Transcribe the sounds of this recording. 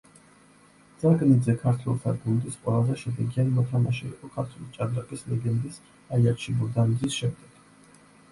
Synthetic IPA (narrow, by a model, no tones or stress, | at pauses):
d̪z̥aɡnid̪zɛkʰaɾt̪ʰwɛ̰lˠt̪ʰaɡund̪isqʼwɛlˠazɛʃɛd̪ɛɡianimɔt̪ʰamaʃɛḭqʼɔkʰaɾt̪ʰwɛlit͡ʃʼad̪ɾaqʼislɛɡɛnd̪is | aiat̪ʃibuɾd̪anizisʃɛmd̪ɛɡ̥